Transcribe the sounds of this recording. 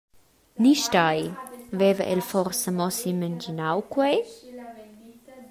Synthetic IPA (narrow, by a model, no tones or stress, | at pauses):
niʃtajvɛvəʔɛlfɔrsəmɔsimənd͡ʒinawkwe